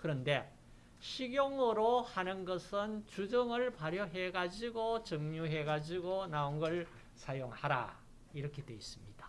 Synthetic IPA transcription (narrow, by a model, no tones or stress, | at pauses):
kɯɾʌnde̞ | ɕʰiɡjoŋɯɾohanɯnɡʌsʰɯnt͡ɕud͡ʑʌŋɯɭpaɾjʌɦe̞ɡad͡ʑiɡot͡ɕʌŋɲuɦe̞ɡad͡ʑiɡonaoŋɡʌɭ | sʰajoŋhaɾa̰ | iɾʌkʰedwe̞is͈ɯmɲid̥ḁ